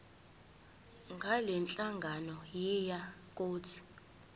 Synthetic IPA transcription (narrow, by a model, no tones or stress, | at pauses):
ŋɡʱalɛnt͡ɬʼaŋɡʱanɔjijakʼoːt͡sʰi̥